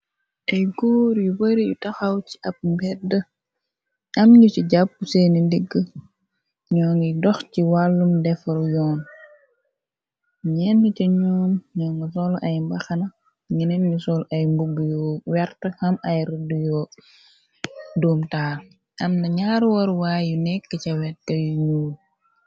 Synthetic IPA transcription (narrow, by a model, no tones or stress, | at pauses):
ʔɐjɡɔːɾjubəɾijutɐxɐwt͡ʃi̥ʔɐp̚mbɛdə | ɐmɲusiɟap̚ːusenindiɡːə | ɲɔːŋɡidɔxciwalːumdɛfɐljɔːn | ɲɛnːicɐɲɔːmɲɔːŋɡɐsɔlʔɐjmbɐxɐnɐ | ŋinɛnɲusɔlʔɐjmbubujɔːwɛrtəhɐmɐjridujɔː | doːmtaːl | ʔɐmnɐɲaːɾuwɐɾwaːjunɛkːəcɐwɛtːɐjuɲuːm